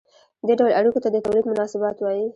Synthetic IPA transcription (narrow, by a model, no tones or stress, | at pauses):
d̪eɖawlaɽikot̪ad̪ət̪awlid̪mʊnɑsɪbɑt̪wɑji